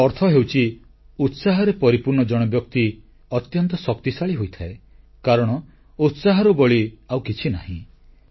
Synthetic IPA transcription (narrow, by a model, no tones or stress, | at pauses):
ɔɾt̪ʰɔɦewt͡ʃʰi | ut̪saɦɔɾepɔɾipuɾɳɔd͡ʒɔɽ̃ɔbjɔkt̪i | ɔt̪jɔnt̪ɔsɔkt̪isaɭiɦojt̪ʰae | kaɾɔɽ̃ɔ | ut̪saɦɔɾubɔɭiawkit͡ʃʰina̰ɦḭ̃